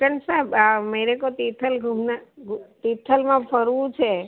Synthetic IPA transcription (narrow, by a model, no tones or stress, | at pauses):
kəɳsaɦebaməiɾekot̪it̪ʰəlɡʱumnaɡt̪it̪ʰəlmãpʰəɾʋũt͡ʃʰe